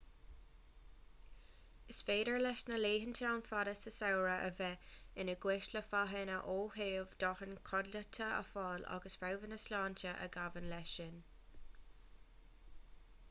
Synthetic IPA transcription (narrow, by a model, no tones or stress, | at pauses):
ɪsfeːdəɹlɛʃnəleːɦənt̪ʰaawnfaɾəsəsawɹəʔə̰vɛɪnəɡwɪʃləfaɦɛnəʔoːɦeːvd̪̥ɔhənkʰɔdlət̪ʰəə̰fɑːla̰ɡəsfawvənəslɑːntəʔə̰ɡavənlɛʃɪn